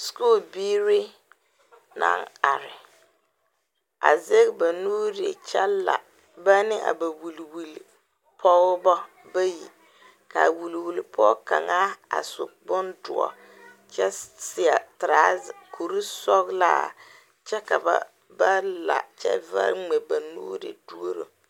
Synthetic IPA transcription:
skoː˦˨lbiː˦ɾɪ˦ | na̰˨ŋa˨ɾɪ˨ | a̰˨ze˦ɣba˨nuː˦ɾe˨t͡ʃɛ˦la̰˨ | ba˦nɪ˦ʔa̰˨ba˨wu˨lwu˨l | pʰɔ˦bɔ˦ | ba˦jḭ˨ | ka˨wu˨lwu˨lpʰɔ˦ka˨ŋa˦a̰˨sʊ˨bʊ˦ndʊ̰˨ɔ̰˨ | t͡ʃɛ˦sɪ˨a˨tɾaː˨˦˨kʰu˨ɾi˦sɔ˦ɣla˦ | t͡ʃɛ˦ka˨ba̰˦ | ba˦la̰˨t͡ʃɛ̰˦va̰˦ɾŋ͡me˨ba˨nuː˦ɾɪ̰˨du˦o˦ɾo̰˨

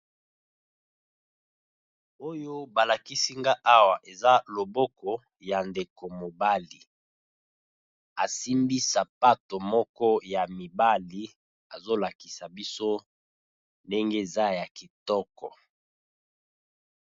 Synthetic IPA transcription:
o˦jo˦ba˨la˨ki˦si˦ŋɡa˦ʔa˦wa˨ʔe˨za˦lo˨bɔ˦kɔ˨ | ja˨nde˨ko˨mo˨ba˦li˨ | a˨si˦mbi˦sa˨pa˦to˨mɔ˦kɔ˦ja˨mi˨ba˦li˨ | a˨zo˦la˨ki̥˨sa˨bi˦so˦ | nde˦ŋɡe˦e˨za˦ja˨ki˨tɔ˦kɔ˨

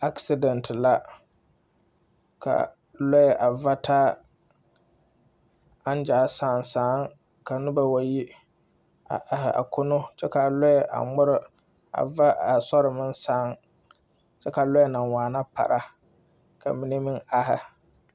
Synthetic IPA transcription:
a˦ksi˦dɛ˨ntʰɪ˨la˦ | ka̰˨ | lɔ˦ɛ˨ʔa˨va˦tʰaː˦ | a˦n˦d͡ʒaː˨˦saː˨˦˨nsaː˨˦ŋ | ka˨nʊ˦ba˨wa˨ji˦ | a˨ʔa˨hɪ˨a̰˨kʰʊ˦nʊ˦t͡ʃɛ˦ka˨lɔ˦ɛ˨ʔa̰˨ŋ͡mʊ˦ɾɪ˦ | a̰˨va˦a˨sɔ˦ɾɪ˨mɪ˦nsaː˦n | t͡ʃɛ˦ka˨lɔ˦ɛ˦na˨nwaː˨na˦pa̰˨ɾʔa˦ | ka̰˨mɪ˦ni˦mɪ˦na˦ɦɪ˦

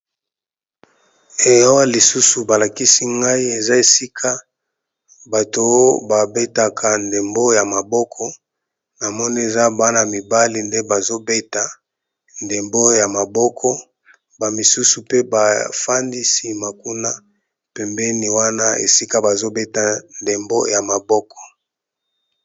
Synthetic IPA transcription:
e˨jwa˦li˨su˦su˨ba˨la˨ki˦si˦ŋɡa˦i˦e˨za˦e˨si˦kʰa˦ | ba˨to˨o˦ba˨be˦ta˨kʰa˨nde˨mbo˦ja˨ma˨bɔ˦kʰɔ˦ | na˨mɔ˦ni˦e˨za˦ba˦na˨mi˨ba˦li˨nde˦ba˨zo˦be˦ta˨ | nde˨mbo˦ja˨ma˨bɔ˦kʰɔ˦ | ba˨mi˨su˦su˨pe˦ba˨fa˦ndi˦si˦ma˨ku˦na˦ | pɛ˨mbɛ˦ni˨wa˦na˦ḛ˨si˦ka˦ba˨zo˦be˦ta˨nde˨mbo̰˦ja˨ma˨bɔ˦kʰɔ̥˨

